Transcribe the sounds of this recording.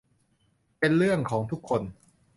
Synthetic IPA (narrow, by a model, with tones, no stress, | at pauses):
pe˧nɾɯ˥˩əŋkʰɔː˩˦ŋt̪ʰu˦˥kʰːo˧n